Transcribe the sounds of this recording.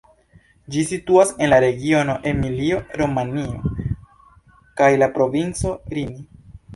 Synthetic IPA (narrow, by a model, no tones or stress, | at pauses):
d͡ʒisituase̞nlaɾe̞ɡio̞no̞ʔe̞milio̞ɾo̞manio̞̰ | kajlapɾo̞vint͡so̞ɾini